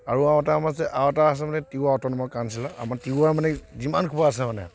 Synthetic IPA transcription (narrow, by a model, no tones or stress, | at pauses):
aɹuawɛtamasɛʔawɛtaas̬ɛmanɛtiwaɔtɔnmɔjkansilaa̰matiuaɹmanɛzimankʰubaːsɛmanɛ̰